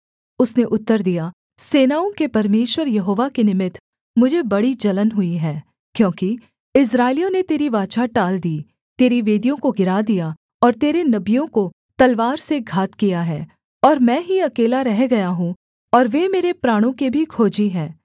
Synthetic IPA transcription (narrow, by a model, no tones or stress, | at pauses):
ʊsneʔʊt̪ːəɾd̪ija | seːnaːõkepɐɾmeːʃwəɾjɐɦoːʋakenɪmɪt̪ʰ | mʊd͡ʒʱebɐɽid͡ʒɐlənɦʊiɦɛː | kjõːki | ɪs̬ɾaːɪlijõnet̪eːɾiʋaːt͡ʃaʈaːld̪iː | t̪eːɾiʋeːd̪ijõkoɡɪɾad̪ija | ɔːɾt̪eːɾenɐbijõko | t̪ɐlʋaːɾseɡʱaːt̪kijaɦɛː | ɔːɾmɛ̃ːɦiɐkeːlaɾɛɦɡɐjaɦũ | ɔːɾʋemeːɾepɾaːɽ̃õkebʱikʰoːd͡ʒiɦɛ̃ː